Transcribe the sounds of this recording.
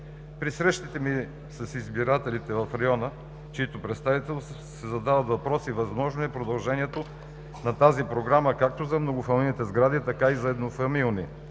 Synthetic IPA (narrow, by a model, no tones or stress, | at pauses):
pɾisɾɛʃt̪it̪ɛmi | sɐsizbiɾat̪ɛlit̪ɛvɐfɾɐjɔnə | t͡ʃiit̪opɾɛt̪st̪avit̪ɛlˠ | sɛzɐd̪avɐt̪vɐpɾɔsivɐzmɔʒnoɛpɾod̪ɐlˠʒɛniɛt̪o | nɐt̪azipɾoɡɾaməkak̚t̪ozɐmnoɡʊfɐmʲˠilnit̪ɛzɡɾad̪it̪ɐkaizɐɛd̪nofɐmilˠni